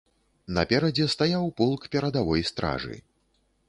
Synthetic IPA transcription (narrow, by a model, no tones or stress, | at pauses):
nɐpʲɛɾɐd͡zʲɛst̪ajawpulˠkpʲɛɾɐd̪avɔjst̪ɾa̰ʐɨ̰